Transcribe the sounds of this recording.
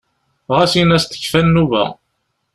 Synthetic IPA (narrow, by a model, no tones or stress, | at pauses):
ʁæsinæst̪ə̥çfænːuvæ̰